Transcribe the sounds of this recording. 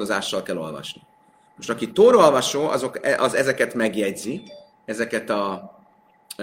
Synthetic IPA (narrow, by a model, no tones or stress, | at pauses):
oza̰ːʃːɒlkɛlːo̞̰lvɒ̰ʃni | moʃt̪ɒkit̪oːɾolvɒʃoːʔɒ̰zo̞kɛʔɒzɛzɛkɛt̪mɛɡjɛɟzi | ɛzɛkɛt̪ɒ